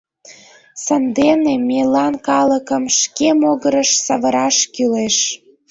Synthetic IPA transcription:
sənd̪enemelɑnkɑləkəmʃkemoɣəɾəʃsɑβəɾɑʃkyleʃ

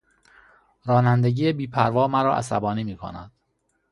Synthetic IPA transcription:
ɾɒːnænd̪e̞ɟiːebiːpʰæɾvɒːmæɾɒːʔæ̰sæ̰bɒːniːmiːkʰo̰næ̰d̪̥

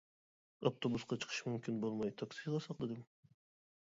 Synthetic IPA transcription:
oft̪ʰobusqɑt͡ʃʰɨ̥qʰɯ̥ʃmymkʲʰinbolˠmɑjt̪ʰɑksiʁɑsɑqd̪ed̪ɪm

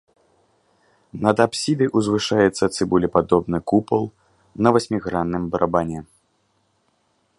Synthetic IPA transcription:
nɐd̪apsʲid̪ʲɨjʔuzvɨʂajɛt̪sːɐt̪sɨbulʲɛpad̪ɔbnɨkupɐlˠ | nɐvasʲmʲiɣɾanːɨmbɐɾʔabanʲɛ

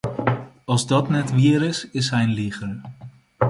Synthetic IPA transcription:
ɑlˠzdɔtnɛtʋiəɾɪsɪsɦɛjnliχər

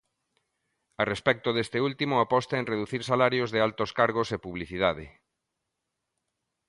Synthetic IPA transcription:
arespɛk̚t̪oðest̪ɪult̪imoapɔst̪aenreðuθiɾsalaɾjozðɪalt̪oskaɾɣ̞osepuβliθið̞aðɪ̰

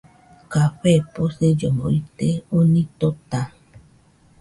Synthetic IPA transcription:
kaɸeposed͡ʒəmo̰it̪eonĩt̪ot̪a

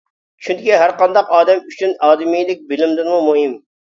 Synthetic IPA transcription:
t͡ʃʰynd̪ɪkʲiɦæɾqɑnd̪ɑqɑːd̪ɛmyt͡ʃʰynɑːd̪ɪmijd̪ɪk̚ʲbɪlɪmd̪ɪnmumuɦɨm

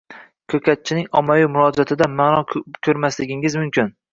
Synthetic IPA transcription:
kʲʰɵkʲat̪̚t͡ʃʰɪnɪŋɒmajumʊɾɒd͡ʒat̪ʰɪd̪amaːnɒkʲʰɵɾmaslɪɡʲɪŋɪzmʊmkʲʰɪn

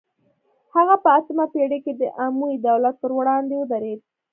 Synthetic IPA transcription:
haɣapəasəmapeɽeked̪əʔamuid̪awlat̪̚pəɾwɽɑnd̪ewəd̪aɾed̪̚

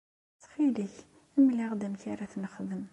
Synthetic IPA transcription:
t͡sχiliç | əmliʁd̪æmçiɾæθnəχðəm

